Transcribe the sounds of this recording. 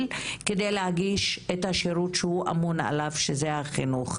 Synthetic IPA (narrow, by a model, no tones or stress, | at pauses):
lkedejlehaɡiʃethaʃeɾutʃehuʔa̰muna̰lavʃezehaχinuχ